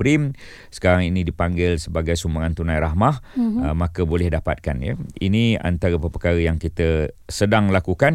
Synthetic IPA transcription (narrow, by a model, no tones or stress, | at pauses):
ɾim | sə̥kaɾaŋinĩdipaŋɡɪlsəbaɡajsumbəŋant̪unãjɾaɦmahmakəbolɛhdapa̰t̪̚kanjə̰ḭnĩa̰nt̪aɾəpəpəkaɾəjaŋkit̪əsədaŋlakukan